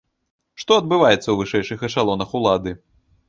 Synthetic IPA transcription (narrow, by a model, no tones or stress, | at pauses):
ʂt̪ɔɐd̪bɨvajɛt̪sːɐwvɨʂɛjʂɨxɐʂalˠɔnɐxulˠad̪ɨ